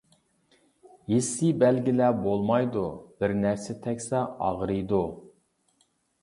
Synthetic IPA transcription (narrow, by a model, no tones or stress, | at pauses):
jesibɛlɡʲilɛbolˠmɑjd̪ub̥ɪɾnæɾsɪt̪ʰɛkʲsɛɑ̰ʁɾɨjd̪u